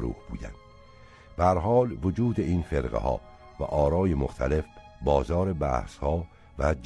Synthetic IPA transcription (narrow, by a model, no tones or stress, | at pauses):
ɾṵːb̥uːd̪æ̰nd̪̥ | b̥ææɾɦɒːlvod͡ʒuːd̪e̞iːnfeɾɢḛhɒ̰ː | væ̰ʔɒːɾɒːjemoxt̪ʰæle̞f | bɒːzɒːɾe̞bæ̰ːhshɒː | væd͡ʒ